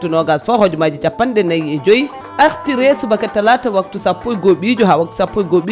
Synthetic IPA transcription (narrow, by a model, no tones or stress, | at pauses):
tunɔɡasfɔhod͡ʒumad͡ʒit͡ʃapːanɗɛnajɛd͡ʒoji | ʔaɾtiɾesubakatːalatawak̚tusapːojɡoɓid͡ʒɔɦawak̚tu̥sapːojɡoɓi